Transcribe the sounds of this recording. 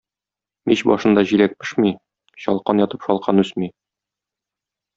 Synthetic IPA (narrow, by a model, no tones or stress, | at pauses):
miɕbɒ̰ʃɤ̆nd̪ɑʑiɾæk̚bɘ̆ʃmi | ɕɒlˠqɑnjɒt̪ɤ̥pʃɒlˠqʰɑnʉsmi